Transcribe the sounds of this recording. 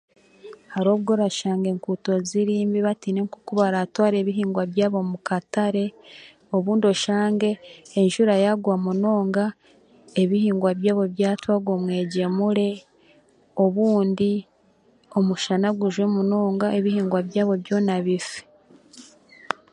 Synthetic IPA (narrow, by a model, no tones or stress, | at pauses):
haɾo̞ːβɡo̞ɾaʃaːŋɡe̞ŋkuːto̞ziɾiːmbiβatiːne̞ŋkukuβaɾatwaːɾe̞ːβiɦiːŋɡwaβjaːβo̞mukataɾe̞ | o̞βuːndio̞ʃaːŋɡe̞ːnʃuɾajaɡwamunoːŋɡa | e̞βihiːŋɡwaβjaːβo̞βjaːtwaɡwomwe̞ːɟe̞muɾe̞ | o̞βuːndi | o̞muʃanaɡuʒwe̞muno̞ːŋɡae̞βihiːŋɡwaβjaːβo̞βjo̞naβifi̥